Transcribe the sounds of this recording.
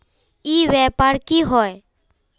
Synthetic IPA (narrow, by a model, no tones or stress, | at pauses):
iːʋɛːpaːɾkiɦɔe